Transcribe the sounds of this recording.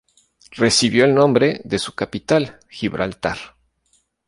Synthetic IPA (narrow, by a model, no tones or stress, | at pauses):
re̞siβjo̞elnõ̞mbɾe̞ðe̞su̥kapit̪al | xiβɾʔa̰lt̪aɾ